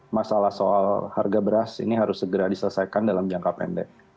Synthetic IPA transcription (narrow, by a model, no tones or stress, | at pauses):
masalahsoalharɡabəɾasḭniɦaɾʊsːəɡəɾadisələsajkandalamd͡ʒaŋkapɛ̰ndɛ̰k̚